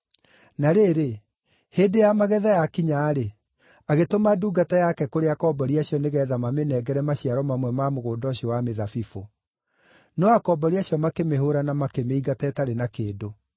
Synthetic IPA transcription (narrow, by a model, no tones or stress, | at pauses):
naɾeːɾe | hedejamaɣɛðajakiɲaːɾe | aɣetomaduːɡatajakɛkoɾeakɔːbɔɾiaɕiɔneɣɛːðamamenɛɡɛɾɛmaɕiaɾɔmamwɛmamoɣoːdɔɕiɔwameðafifo | nɔakɔbɔɾiaɕjɔmakemeɦoɾanamakemeiɡatɛtaɾenakeːdo